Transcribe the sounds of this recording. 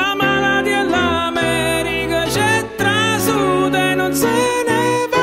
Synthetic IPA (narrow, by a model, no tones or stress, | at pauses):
amaɾad̪iɛlːamɛɾikat͡ʃɛt̪ːɾasud̪ɛnonseneva